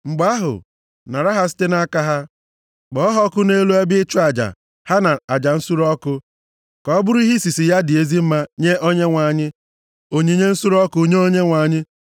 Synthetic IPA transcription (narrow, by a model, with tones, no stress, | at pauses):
ŋ͡m̩˨ɡ͡ba˦ɦʊ̰˨ | na˨ɾa˦ɦa˦s̬i̥˦te˦na˦ka˦ɦa˦ | ɡ͡bɔ˨ɔ˦ɦɔ˦kʊ˦ne˦lu˦e˦bɪ˦ɪ˦t͡ʃu˦a˨d͡ʒa̰˨ | ha˦na˨a˨d͡ʒa˨n̩˦su˦ɾɔ˦kʊ˦ | kɔ˨˦bʊ˦ɾi˦ɦi˦si˨si˨ja˦dɪ˨e˦zi˦m̩˦ma˦ɲe˦ʔo˦ɲe˦ŋʷa˨ɲɪ˦ | o˦ɲe˦ɲe˦n̩˦su˦ɾɔ˦kʊ˦ɲe˦o˦ɲe˦ŋʷa˨ɲɪ˦